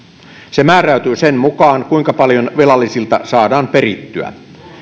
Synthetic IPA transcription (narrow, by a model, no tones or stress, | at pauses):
semæːɾæyt̪yːsenmukɑːŋkuiŋkɑpɑljonʋelɑlːisilt̪ɑsɑːdɑːmpeɾit̪ːyæ̰